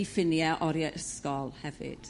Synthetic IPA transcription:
ifɪnjaʔɔɾjaʔəskɔlˠhɛvɪ̰d̥

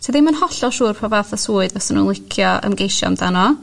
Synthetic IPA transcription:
tʰiðɪmənhɔɬɔʃuːrpʰɔvaːθəsuːɨdvɔsənṵnlˠɪkʰjɔə̰mɡejʃɔ̰mdanɔ

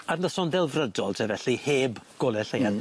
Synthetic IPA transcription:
arnəsɔnðɛlˠvrədɔlˠtʰevɛɬiheːbɡ̥ɔlˠɛɬejan

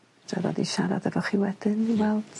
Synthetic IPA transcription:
d̥rɛvɔ̰diʃaɾa̰dɛvɔχiwɛd̥ɨnwɛlˠd̥

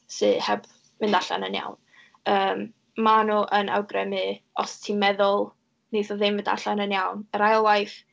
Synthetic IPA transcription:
sɨhɛb | mɪndaɬa̰nənja̰wn | əːm | manuːʔəna̰wɡrɛmɨɔstʰimɛðʊlˠ | nejθɔðɨmvɪnda̰ɬanənjawnəɾajɔlˠwajf

